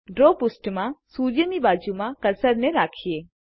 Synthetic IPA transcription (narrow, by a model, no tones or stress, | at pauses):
ɖɾoːpʊsʈmãsuːɾjənibaːd͡ʒumãkɐɾsəɾneɾaːkʰieː